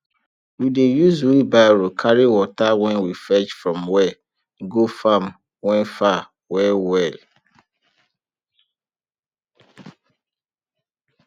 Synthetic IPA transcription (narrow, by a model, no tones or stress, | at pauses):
widejuzwibaɾokʰaɾiwɔtawɛ̃nwifɛt͡ʃfɹɔ̃mwɛ | ɡofãm | wɛ̃nfa | wɛwɛl